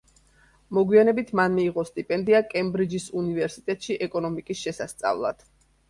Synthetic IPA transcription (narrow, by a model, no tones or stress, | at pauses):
mɔɡwianɛbit̪ʰmanmiːʁɔst̪ʼipʼɛnd̪iakʼɛmbɾid͡ʒisunivɛɾsit̪ʼɛt̪ʼʃiʔɛkʼɔnɔmikʼisʃɛsast̪sʼa̰vlˠa̰d̪̥